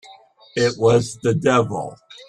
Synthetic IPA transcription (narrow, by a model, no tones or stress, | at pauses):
ɪʔ̚wʌzðɨdɛvl̩ˠ